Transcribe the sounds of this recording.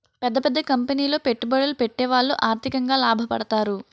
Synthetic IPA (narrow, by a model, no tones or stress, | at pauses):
pɛd̪ːɐpɛd̪ːɐkɐmpeniːlo̞ːpeʈːubɐɽɐlupeʈːɛːʋaːɭːuʔaːɾt̪ʰikɐŋɡaːlaːbʱɐpɐ̰ɽɐt̪aːɾu